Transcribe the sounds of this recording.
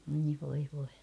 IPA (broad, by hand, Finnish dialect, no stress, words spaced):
oi ʋoi ʋoi